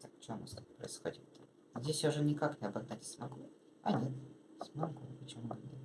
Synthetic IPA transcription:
t̪akft͡ɕomə̰st̪pɾə̰ɪsxo̰dʲɪt̪ːa | zʲdʲesʲjaʊʐɛnʲɪkaknʲɪɐbɐɡd̪atʲsmɐɡu | ɐ̰nʲet̪smɐɡupət͡ɕɪmud̪ənʲɛ

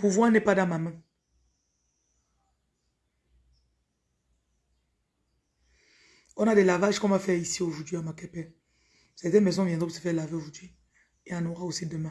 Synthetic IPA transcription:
puvwanɛpad̪ãmamɛ̃ | ɔ̃nadɛlavaʒkɔ̃mafɛʁisioʒuʁd̪ɥiamakɛpɛ | sɛʁt̪ɛnmɛzɔ̃vjɛ̃nd̪ʁɔpusə̥fɛʁlaveoʒuʁd̪ɥi | eãnɔʁaosid̪əmɛ̃

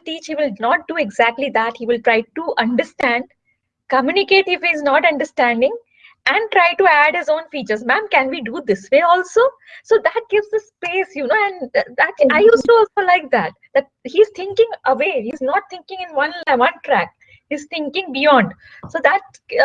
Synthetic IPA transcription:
ʈiːt͡ʃhiːʋɪlnɔːʈ̚ɖuːeɡzæk̚ʈlid̪æʈhiːʋɪlʈɾaɪʈuʔʌ̃ɳɖəɾsʈæ̃ɳɖ | kəmjunɪkeːʈɪfhiznɔʈʌ̃ɳɖəɾsʈæ̃ɳɖɪ̃ŋ | æ̃ɳɖ̚ʈɾaɪʈuæɖhɪzõːnfiːt͡ʃəɾzmæ̃ːmkɛ̃nʋiːɖuːd̪ɪsʋeːɔːlsoː | soːd̪æʈ̚ɡ̥ɪʋzəspeːsjunoːɛ̃ɳɖd̪æʈaɪjusʈuɔːlsoːlaɪk̚d̪æʈ̚d̪̥æʈ̚hiːz̥t̪ʰɪ̃ŋkɪ̃ŋʔəʋeːhiːznɔːʈ̚t̪ʰɪ̃ŋkɪ̃ŋɪ̃nʋʌ̃nʋʌ̃nʈɾæk̚ | hiːzt̪ʰɪ̃ŋkɪ̃ŋbijɔ̃ːɳɖ | soːd̪æʈ̚

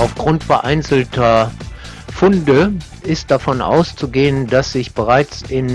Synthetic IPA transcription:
ʔaʊfɡ̥ʁʊntfɛɐʔaɪnt͡sl̩tʰɐ | fʊndə | ʔɪst̚d̥afɔnʔa̰ʊst͡suɡeːəndasz̥ɪçb̥əʁaɪt͡sɪn

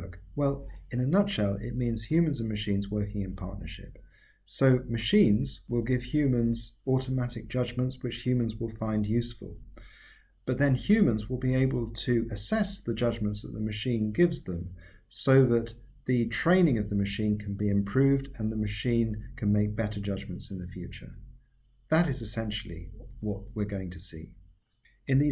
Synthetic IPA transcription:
kwɛlˠɨ̃nɨnʌtʃɛlˠɪ̰t̚mĩnz̥hjʉmɨ̃nzɨ̃n̩mɨʃĩnzwɜ˞kɪ̃ŋɨ̃npʰɑ̰ɹʔⁿnə˞ʃɪ̰p | soʊmɨʃĩnzwɪlˠɡɪv̥hjʉmɨ̃nzɔɾəmæɾɨk̚d̥ʒ̥ʌd͡ʒmə̃ntswɨt͡ʃhjʉmə̃n̩zwəlˠfãɪ̃ndjʉsfə̰l̩ˠ | b̥ʌt̪̚ðɨ̃nhjʉmə̃nzwɪlˠbieɪbəl̩ˠtʰɨɨsɛsðɨd͡ʒʌd͡ʒmə̃ntsðə̰ʔ̪̚ðəmɨʃĩnɡɪvzðə̃msoʊðɨt̪̚ | ðɨtʰɹ̥ẽɪ̃nɪ̃ŋʌvðɨmɨʃĩnkʰn̩biɨ̃mpʰɹ̥ʉvdɨ̃nðɨmɨʃĩnkʰɨ̃nmeɪk̚b̥ɛɾə˞d͡ʒʌd͡ʒmɨ̃n̩tsɨ̃nðɨfjʉt͡ʃə̰˞ | ðəɾɨzɨsɛ̃nʃl̩ˠḭwʌʔ̚wɪɹɡoʊɪ̃ŋtʰɨsḭ | ɨ̃nði

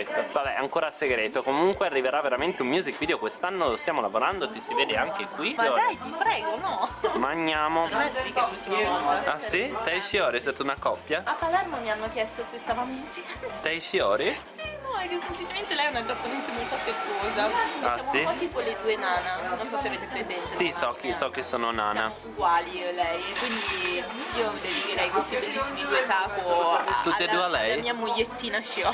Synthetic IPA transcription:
ɛt̪ːovabɛ̰aŋkoːɾaseɡɾeːt̪okomuŋkwearːiveɾavːeɾament̪eumːjuːzikvid̪eokwest̪anːolost̪jaːmolavoɾand̪ot̪isiveːd̪eaŋkekwimd̪ajt̪ipɾɛːɡonɔmaɲːjaːmonnɛsd̪ikaut̪ːiamɔnd̪aait̪ɛjfjɔːɾist̪aːt̪unakɔpːjaapːalɛrmomianːokjɛst̪osest̪aːvamisiat̪ɛjfjɔːɾisinɔɛkːesemplit͡ʃement̪elɛjɛunad͡ʒapːonezemolt̪oapːɾet̪soːzaaasiat̪iːpoled̪uːenaːnanonsɔsːeaveːt̪epɾezɛnt̪esisɔk̟ːisɔk̟ːisːoːnona̰ːnja̰ | uɡwaːlilɛjkwind̪i | iːovd̪ɛikeɾɛjkwest̪ibelːisːimid̪uet̪aːpoutaːed̪ualɛljamiːamuʎjːet̪ːiːnaʃjɔ

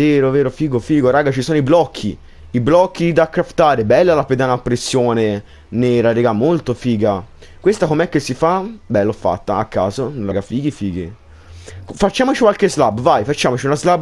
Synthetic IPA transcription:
eːɾoveːɾofiːɡofiːɡoɾaːɡat͡ʃisoːnoiblɔkʰːi | iblɔkːid̪akːɾaft̪aːɾebɛlːalaped̪anapːɾesːjoːne | nɛːɾaɾɛɡamolt̪ofiːɡa | kwest̪akomɛkːesːifabɛlːɔfːa̰t̪ːaakːa̰ːzonlaɡafiːɡifiːɡi | fat͡ʃːaːmot͡ʃikwalkezlabːvajfat͡ʃːaːmot͡ʃiunazlab

